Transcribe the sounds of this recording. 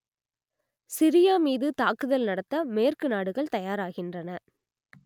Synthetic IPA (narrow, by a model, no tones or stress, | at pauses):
sɪɾɪjaːmiːðɯt̪aːkɯðɐlnɐɽɐt̪ːɐmeːrkɯnaːɽɯɣɐɭt̪ɐjaːɾaːɣɪndrɐnɐ